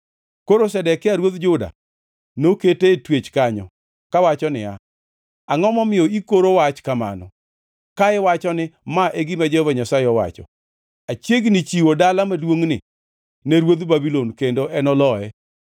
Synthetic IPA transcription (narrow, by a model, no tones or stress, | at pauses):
koɾosɛdɛkɪaɾwod̪d͡ʒʊda̰ | noketetwet͡ʃkaɲɔ | kawat͡ʃɔnɪ̰a̰ | aŋɔmɔmɪɔikoɾowat͡ʃkama̰nɔ̰ | kaɛwat͡ʃɔnɪmaʔeɡɪmad͡ʒɔvaɲasaɪɔwa̰t͡ʃɔ̰ | at͡ʃjeɡnɪt͡ʃiwodalamadwoŋnɪ | neɾwod̪babilonkendoʔɛnɔlɔɛ